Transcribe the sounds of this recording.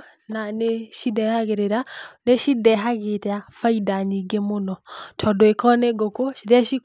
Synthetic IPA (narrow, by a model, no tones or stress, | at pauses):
naneʃidɛhaɣeɾeɾaneʃidɛɦaɣetɛafaidaɲiɡemonɔtʰɔdoekɔneɡokoʃidɛʃi